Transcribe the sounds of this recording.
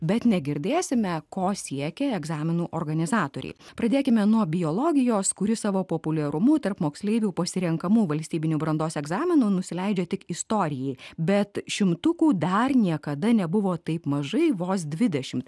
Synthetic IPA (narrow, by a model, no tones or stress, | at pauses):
bʲɛt̪nʲɛɡʲɪɾʲd̪ʲeːsʲɪmʲɛkoːsʲiɛkʲɛɛɡzɑːmʲɪnuːʔoːrɡɐnʲɪzɑːt̪oːɾʲɛ̰ɪpɾɐd̪ʲeːkʲɪmʲɛnuɔbʲɪjoːlˠoːɡʲɪjoːskʊɾʲɪsɑːʋoːpoːpʊlʲɛɾʊmʊt̪ɐɾpmoːksʲlʲɛɪʋʲuːpɐsʲɪɾʲɛŋkɐmuːʋɐlʲsʲt̪ʲiːbʲɪnʲuːbɾɐnd̪oːsɛɡzɑːmʲɪnuːnʊsʲɪlʲɛɪd͡ʒʲɛt̪ʲɪkɪst̪oːɾʲɪjɛɪbʲɛt̪ʃʲɪmt̪ʊkuːd̪ɐrnʲiɛkɐd̪ɐnʲɛbʊʋoːt̪ɐɪpmɐʒɐɪʋoːs̬d̪ʲʋʲɪd̪ʲɛʃʲɪmt̪